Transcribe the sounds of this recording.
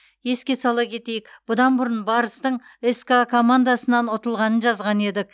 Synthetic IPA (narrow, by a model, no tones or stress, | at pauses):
je̞skʲe̞sɑlˠɑkʲʰe̞t̪e̞jɪkb̥ʊd̪ɑnbʊɾənbɑɾəst̪əɴeskakʰo̞mand̪asənɑnʊt̪əlˠʁɑnənʒɑzʁɑne̞d̪ɪk̚